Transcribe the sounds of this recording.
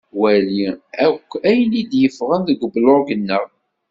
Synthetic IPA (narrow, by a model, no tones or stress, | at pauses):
wæliækʷːæjənid̪jəfʁænðəɡəbloɾˤɡənːəʁ